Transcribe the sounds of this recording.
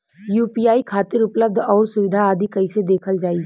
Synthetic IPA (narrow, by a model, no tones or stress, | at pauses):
juːpiːaːikʰaːt̪ɪɾʊpləb̚d̪ʱɔːɾsʊʋɪd̪ʱaaːd̪ʱikəised̪eːkʰəld͡ʒaːi